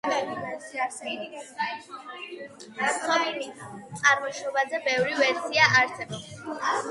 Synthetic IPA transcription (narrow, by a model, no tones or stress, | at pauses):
ɾsɛbb | χʰɔbitt̪sʼaɾmɔʃɔbazɛbɛvɾivɛɾsʰiaʔaɾsɛbɔb̥s